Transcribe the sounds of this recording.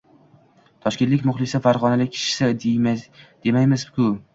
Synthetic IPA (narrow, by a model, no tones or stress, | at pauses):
t̪ʰɒʃkʲet̪lɪkʲmʊχlˠɪsafaɾʁɒnalɪkʲʰɪ̥ʃɪ̥sɪ | d̪̥e̞majmɪzkʰʊ